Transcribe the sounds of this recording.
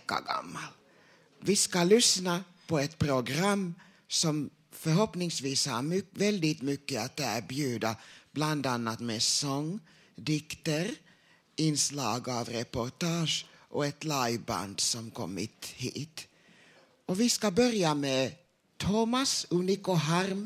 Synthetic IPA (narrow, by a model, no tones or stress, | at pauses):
kːa̰ɡa̰mːal | vɪskalʏsna | pʰɔɛt̪pʰɾʊɡɾamː | sɔm | fœɾɦɔpnɪŋsviːsha̰ɾmʏvɛld̪ɪt̪mʏkːəat̪æɾbjʉːd̪ab̥land̪anːat̪mɛsɔŋː | d̪ɪkt̪əɾ | ɪnslɑːɡɑvɾɛpʊɾt̪ɑːʂʔɔɛt̪laɪba̰nd̪sɔmkʰɔ̰mːɪ̰t̪hḭːt̪ | ɔvɪskabœɾjamɛ | t̪ʰɔːmasʉnɪkʊɦaɾm